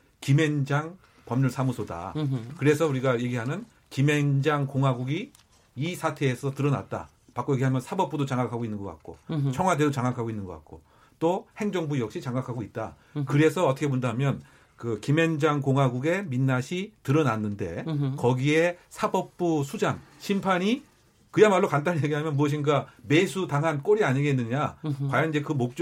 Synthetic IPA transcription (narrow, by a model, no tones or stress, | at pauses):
kime̞nd͡ʑaŋ | pʌmɲuɭsʰamusʰoda̰kɯɾe̞sʰʌuɾiɡaje̞ɡiɦanɯn | kime̞nd͡ʑaŋkoŋɦwaɡuɡi | isʰatʰe̞ːsʰʌtɯɾʌna̰t̚t͈a̰ | pak͈oje̞ɡiɦamjʌnsʰabʌp͈udot͡ɕaŋakʰaɡoinːɯnŋɡʌk͈a̰k̚k͈o̰t͡ɕʰʌŋɦwade̞dot͡ɕaŋakʰaɡoinːɯnŋɡʌka̰t̚k͈o | t͈ohe̞ŋd͡ʑʌŋbujʌk̚ɕ͈it͡ɕaŋakʰaɡoit̚t͈a̰ | kɯɾe̞sʰʌːtʰʌkʰepondaɦamjʌn | kɯkime̞nd͡ʑaŋkoŋwaɡuɡe̞minːaɕʰitɯɾʌnanːɯnde̞̰kʌɡie̞sʰabʌp̚p͈usʰud͡ʑaŋ | ɕʰimpʰaɲi | kɯjamaɭːokant̬͈aɲijeɡiɦamjʌnmuʌɕ̬ʰinɡame̞sʰutaŋɦank͈oɾiaɲiɡe̞nːɯɲakwajʌniɲd͡ʑe̞kɯmok̚t͡ɕ͈